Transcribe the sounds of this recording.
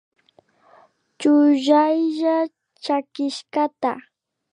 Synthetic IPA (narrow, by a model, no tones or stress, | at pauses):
t͡ʃʊʒajʒa | t͡ʃakɪʃkat̪a̰